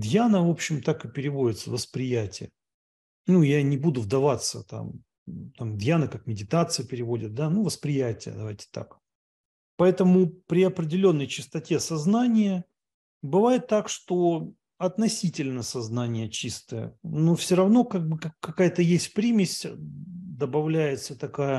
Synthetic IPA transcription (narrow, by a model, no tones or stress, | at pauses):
d̪janəvo̞pɕːɪmt̪akɨpʲɪɾʲɪvo̞dʲɪt̪səvəspɾʲɪjætʲɪjə̰ | nujanʲɪbud̪ʊvd̪ɐvat̪sə̰t̪a̰m | t̪amd̪janəkak̚mʲɪdʲɪt̪at̪sɨjəpʲɪɾʲɪvo̞dʲɪt̪̚d̪anuvəspɾʲɪjætʲɪjə̰d̪ɐvajtʲɪ̥t̪a̰k | pɐɛt̪əmʊpɾʲɪɐpɾʲɪdʲɪlʲo̞nːəjt͡ɕɪst̪ɐtʲe̞sɐznanʲɪjə | bɨvajɪt̪ːakʂt̪o̞ | ɐt̪nɐsʲitʲɪlʲnəsɐznanʲɪjət͡ɕist̪əjə̰nofsʲoɾɐvno̞kaɡ̚bɨkakːɐkajət̪əjesʲt̚ʲpɾʲimʲɪsʲ | d̪əbɐvlʲæjɪt̪sət̪ɐkajə